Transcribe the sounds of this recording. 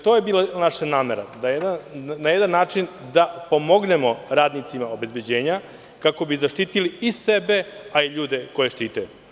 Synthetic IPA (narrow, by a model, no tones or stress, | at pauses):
t̪ojebiːlanaʃanaːmeɾad̪ajed̪anajed̪anːaːt͡ʂind̪apo̞moɡne̞mo̞ɾaːd̪nit̪simao̞be̞zbe̞d͡ʑe̞ːɲa | kako̞bizaʃt̪iːt̪iliisebe̞aiʎuːd̪e̞ko̞jeʃt̪iːt̪aju